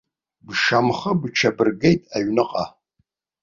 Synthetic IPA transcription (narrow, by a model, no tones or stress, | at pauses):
bʃamχɐbt͡ʃʰɐbɨrɡejtʼaɥnɨqʼa